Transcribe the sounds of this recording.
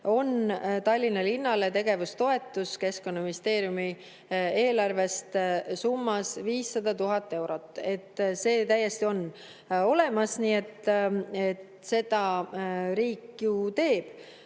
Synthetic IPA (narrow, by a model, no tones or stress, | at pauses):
o̞nt̪ɑlʲːinɑlinːɑle̞t̪e̞ɡ̥e̞vust̪o̞e̞t̪ˑːuske̞sko̞nːɑminist̪e̞ːɾjumi | e̞ːlɑrve̞st̪sumːɑsviːsːɑd̪̥ɑt̪uɦɑt̪ːˑe̞wɾo̞t̪ːˑe̞t̪ːse̞ːt̪æjːest̪io̞nː | o̞le̞mɑsniːe̞t̪ːet̪ | se̞d̪̥ɑ | ɾiːkjut̪e̞ːb̥